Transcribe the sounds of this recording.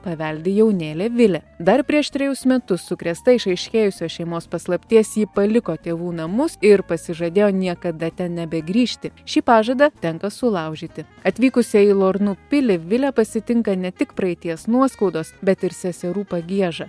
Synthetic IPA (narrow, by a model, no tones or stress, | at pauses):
pɐʋʲɛlʲd̪ʲɪjɛʊnʲeːlʲeːʋʲɪlʲɛd̪ɐɾpʲɾʲiɛʃt̪ʲɾʲɛjʊsmʲɛt̪ʊsːʊkɾʲɛst̪ɐɪʃɐɪʃʲkʲeːjʊsʲoːʃʲɛɪmoːspɐslˠɐpʲt̪ʲiɛsjiːpɐlʲɪkoːt̪ʲeːʋuːnɐmʊsɪɾpɐsʲɪʒɐd̪ʲeːjoːnʲiɛkɐd̪ɐt̪ʲɛnnʲɛbʲɛɡɾʲiːʃʲt̪ʲɪʃʲiːpɑːʒɐd̪ɐt̪ʲɛŋkɐsʊlˠɐˑʊʒʲiːt̪ʲɪ | ɐt̪ʲʋʲiːkʊsʲɛɪlˠoːɾnuːpʲɪlʲɪʋʲɪlʲɛpɐsʲɪt̪ʲɪŋkɐnʲɛt̪ʲɪkpɾɐɪt̪ʲiɛsnuɔskɐʊd̪oːsbʲɛt̪ɪɾsʲɛsʲɛɾuːpɐɡʲiɛʒɐ